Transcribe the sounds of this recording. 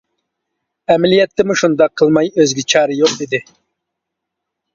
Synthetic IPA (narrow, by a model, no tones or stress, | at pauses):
ɛmɛlijɛt̪ʰːɪmuʃund̪ɑqʰːəlˠmɑjøzɡʲit͡ʃʰɑːɾɨjoqid̪ɪ